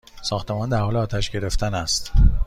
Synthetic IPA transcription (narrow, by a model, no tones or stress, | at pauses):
sɒːxt̪e̞mɒːnd̪æɾhɒːleɒːt̪ʰæʃɟe̞ɾe̞ft̪ʰænæst̪